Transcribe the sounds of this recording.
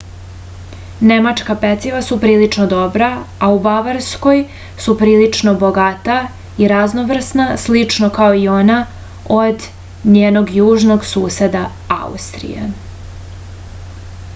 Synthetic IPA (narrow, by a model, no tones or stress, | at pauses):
ne̞mat͡ʂkapet̪siʋasupɾiːlit͡ʂnod̪o̞bɾaaubaʋaɾsko̞j | supɾiːlit͡ʂnoboɡat̪a | iɾaznoʋr̩snaslit͡ʂno̞kaoio̞na | od̪ | ɲeːno̞ɡjuːʒno̞ɡsuːse̞d̪a | a̰ṵst̪ɾḭjḛ